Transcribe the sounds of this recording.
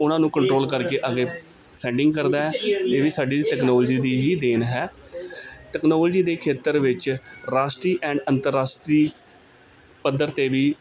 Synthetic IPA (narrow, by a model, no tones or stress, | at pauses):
ʊnãːnũːkəɳʈɾoːlkəɾkeːʔəɡeː | sɛ̃ːɳɖɪ̃ŋɡ̚kəɾd̪aːɦɛːt̪eːʋiːsaːɖiːʈɛːknɔːld͡ʒiːd̪iːɦiːd̪eːnɦɛː | ʈɛknɔːld͡ʒiːd̪eːkʰeːt̪əɾʋɪt͡ʃɾaːsʈɾiːʔɛ̃ːɳɖənt̪əɾːaːsʈɾiː | pəd̪ːəɾt̪eːʋiː